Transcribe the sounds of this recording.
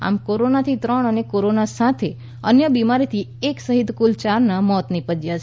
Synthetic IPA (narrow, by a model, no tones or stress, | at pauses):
a̰mkoɾonat̪ʰit̪ɾəɳ̃ənekoɾonasat̪ʰe | ənjəbimaɾit̪ʰieksəɦid̪kult͡ʃaɾnamɔt̪nipəd͡ʒjat͡ʃʰ